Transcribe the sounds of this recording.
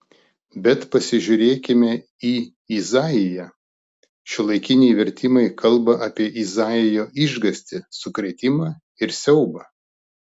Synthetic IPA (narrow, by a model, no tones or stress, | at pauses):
bʲɛt̪pɐsʲɪʒʲʊɾʲeːkʲɪmʲɛ | iː | izɑːjɪjɛ | ʃʲɪlˠɐɪkʲɪnʲɛɪʋʲɛɾʲt̪ʲɪmɐɪkʰɐlˠˑbɐʔɑpʲiɛʔizɑːɪjoːʔɪʒɡɐsʲt̪ʲɪsʊkɾʲɛt̪ʲɪmɑː | ɪɾsʲɛʊbɐ